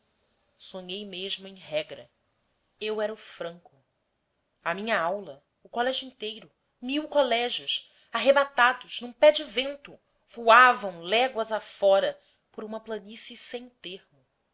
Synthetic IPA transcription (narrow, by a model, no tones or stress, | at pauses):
soɲejmeʒmʊẽj̃ɦɛɡɾɐ̰ | ewɛɾʊfɾɐ̃ŋkʊ | ɐmĩɲɐawlɐ | ʊkɔlɛʒuĩnt̪ejɾʊ | miwkɔlɛʒʊs | aɦebat̪ad̪ʊz̥nũpɛd͡ʒɪvẽnt̪ʊ | v̥uavɐ̃w̃lɛɡwɐzafɔɾɐ | pʊɾũmɐplɐnisisẽj̃t̪ehmʊ